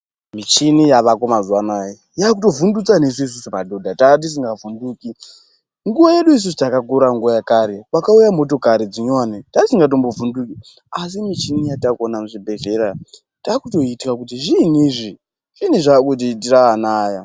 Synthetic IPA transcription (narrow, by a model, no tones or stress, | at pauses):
mit͡ʃinijaʋakomazuwanaje | jakuto̞vundut͡sanesuis̬usupadodʱatat̬is̬iŋɡavunduːki | ŋɡuʋaje̞ɗuis̬usutakakuɾaŋɡuʋajakaɾewakaujamo̞to̞kaɾid͡ziɲanetatisiŋɡat̬o̞mbovunduki | as̬imit͡ʃinijatakuonamuʐibʱe̞ɮe̞ɾa | takuto̞itikakutiʐiniʐi | ʐ̥iniʐakut̬itiraanaːja